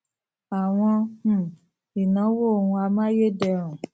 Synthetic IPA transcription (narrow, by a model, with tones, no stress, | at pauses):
a˨w̃ɔ̃˧h̩˦˨ | i˨nã˨˦wo˦o˨hũ˧a˧mã˦je˦dɛ˦˧ɾũ˨